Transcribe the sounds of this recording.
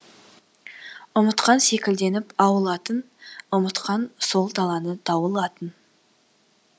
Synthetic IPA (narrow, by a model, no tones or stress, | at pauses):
ʊmət̪qɑnse̞kʲɪld̪e̞nɪpɑwəlˠɑt̪ən | ʊmət̪qɑnso̞lˠd̪ɑlˠɑnət̪ʰɑwəlˠɑt̪ən